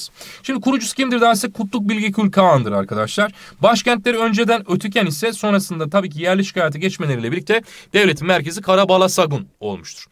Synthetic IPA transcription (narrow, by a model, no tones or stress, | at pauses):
z̥ʃimd̪ikuɾud͡ʒuscʰimd̪iɾd̪æɾsɛkʰːut̪lˠuk̚bilʲɟicʰylʲkʰaand̪ɯɾa̰ɾkʰad̪aʃlˠaɾ̥baʃcɛænt̪lʲe̞ɾiø̞nd͡ʒe̞d̪ænøt̪ʰycʰænisɛso̞nɾasɯnd̪at̪ʰabiːcʰijæɾlʲiʃi̥kʰaːjat̪ɯɟɛt͡ʃmelʲeɾilʲɛiɾlʲːict̪ɛd̪̥evlʲe̞t̪ʰinmæɾce̞zikʰaɾabalˠasaɡuno̞̰lˠmuʃt̪ʰu̥ɾ̥